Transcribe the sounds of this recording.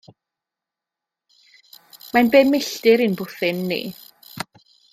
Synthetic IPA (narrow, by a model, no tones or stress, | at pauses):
manbeːmɪɬtɪɾinbʊθɪnːḭ